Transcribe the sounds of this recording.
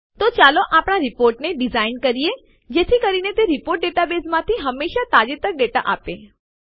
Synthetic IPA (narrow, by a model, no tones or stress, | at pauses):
t̪ot͡ʃaloʔaːpɽ̃aɾɪpoːɾʈneɖɪzaːɪnkəɾie | d͡ʒeːt̪ʰikəɾinet̪eɾɪpoːɾʈ̚ɖeʈabeːsmãt̪ʰiɦəmːeːʃat̪aːd͡ʒet̪ək̚ɖeʈa̰ʔaːpe